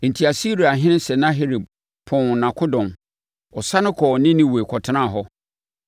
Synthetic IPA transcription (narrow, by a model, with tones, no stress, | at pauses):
n̩˨tʰi˨a˨si˦ɾi˨a˨ɦɪ̃˦nɪ̃˦sɛ˨nã˦ɦe˦ɾi˨b̚ | pʰɔ̃˦˨ŋ˨nã˨kʰʊ˦dɔ̃˨m | ɔ˨sa˦nʊ̃˦kʰɔ˨nɪ̃˦nɪ̃˦we˨kʰɔ˨tʰɪ˦nã˦˨ɦɔ˦